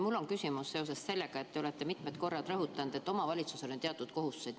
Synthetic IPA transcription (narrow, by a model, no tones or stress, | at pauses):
mulːo̞nkysʲimusse̞o̞s̬e̞sse̞lːe̞ɡ̥ɑe̞t̪ːe̞o̞le̞t̪ːemit̪ˑmet̪ko̞rːɑd̪rɤɦut̪ːˑɑnd̪̥e̞t̪ːˑo̞mɑvɑlʲit̪suseleeɑt̪ːˑut̪̚ko̞ɦust̪u̥se̞jd̪̥